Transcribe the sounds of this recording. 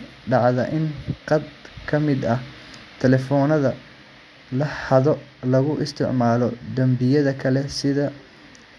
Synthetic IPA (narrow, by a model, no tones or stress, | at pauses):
ɖɑʕðɐʔɪnqɑd̪kʰɐmɪd̪ɐh | t̪ʰɛlɛfɔːnɐðɐ | lɐhɐðɔlɐɣʊʔɪst̪ʰɪ̰ʕmaːlɔd̪ɐmbɪjɐðɐkʰɐlɛsɪðɐ